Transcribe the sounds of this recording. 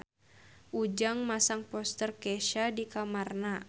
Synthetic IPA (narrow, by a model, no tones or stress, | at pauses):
ʔud͡ʒaŋmasaŋpɔst̪ərkɛʃadikamarna